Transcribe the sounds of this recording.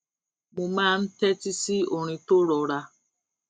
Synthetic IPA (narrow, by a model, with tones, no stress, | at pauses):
mu˨ma˦˨n̩˦te˦ti˦si˦o˨ɾ̃i˨to˦ɾɔ˨ɾa˦